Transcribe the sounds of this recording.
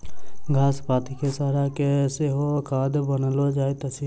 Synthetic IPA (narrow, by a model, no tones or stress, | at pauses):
ɡʱaːspaːt̪ʰikesaːɾakɛseɦokaːd̪bənlod͡ʒaːet̪əsiː